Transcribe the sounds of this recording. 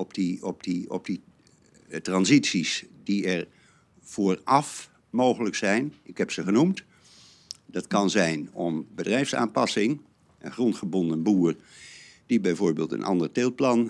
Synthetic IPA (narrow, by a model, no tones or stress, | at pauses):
ɔpdiɔp̚diɔ̰p̚d̥i | trɑnzitsisdiɛɹ | v̥ʊːrɑf | mowχələksɛjnɪkɦɛpsəχənumt | dɑtkɑnzɛjnɔmbədrɛjfsa̰ːnpɑsɪŋ | ʔənχrɔntχəbɔndənbuːrd̥ibɛjvoːɹbeːlˠtə̰nʔɑ̰ndəɹtɪlˠplɑn